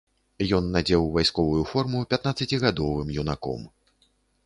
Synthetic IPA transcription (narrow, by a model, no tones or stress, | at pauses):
jɔnːad͡zʲɛwvajskɔvujufɔrmupʲat̪nat̪sːɐt͡sʲiɣad̪ɔvɨmjunakɔ̰m